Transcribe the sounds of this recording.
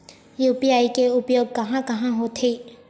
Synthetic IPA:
jupiajkeʔupjob̚ɡaɦãkaɦãɦot̪ʰeʔ

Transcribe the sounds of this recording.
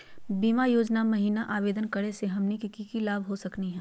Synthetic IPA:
biːmajoːd͡ʒnamɐɦiːnaʔaːʋeːd̪ənkɐɽeseɦɐmnikikiːkilaːbɦosɐkniɦɛ̃ː

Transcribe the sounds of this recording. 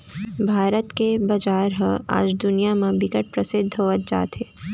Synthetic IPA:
bʱaːɾət̪kebɐd͡ʒaːɾɦə̃a̰ːd͡ʒd̪ʊnijamẽbɪkəʈ̚pɾəsɪd̪ʱɦoːʋət̪̚d͡ʒa̰ːt̪ɦeː

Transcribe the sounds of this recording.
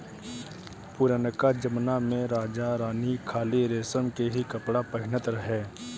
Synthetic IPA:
puɾanəkad͡ʒəmnamẽɾaːd͡ʒaɾaːnikʰaːliɾeːsəmkeɦikəpɽapəɦɪnət̪ɾɐɦeː

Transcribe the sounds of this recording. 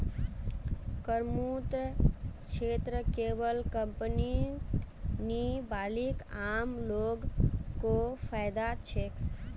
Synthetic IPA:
kəɾmut̪ | t͡ʃʰet̪ɾəkebəlkəmpəni | nibalikamloɡkːopʰajd̪at͡ʃʰek

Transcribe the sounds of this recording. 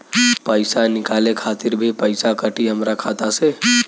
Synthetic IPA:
pəɪsanɪkalekʰat̪iɾbʱipəɪsakəʈiɦəmɾakʰat̪ase

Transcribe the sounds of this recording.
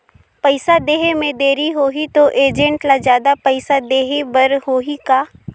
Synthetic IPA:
pəɪsad̪eːɦemẽd̪eːɾiɦoːɦit̪oʔeːd͡ʒə̃ɳʈlad͡ʒjaːd̪apɐɪsad̪eːɦebəɾɦoːɦikaː

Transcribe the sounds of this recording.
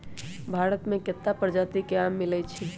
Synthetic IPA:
bʱaɾət̪mẽket̪ːapəɾd͡ʒat̪ikeamːilɛt͡ʃʰi

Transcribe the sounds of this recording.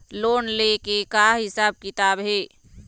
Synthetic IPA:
loːnlekekaɦɪsaːb̚kɪt̪aːbɦɛː

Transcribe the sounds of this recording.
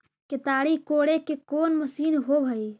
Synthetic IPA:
ket̪aɽikoɽekekoːnməsiːnɦobʱəj

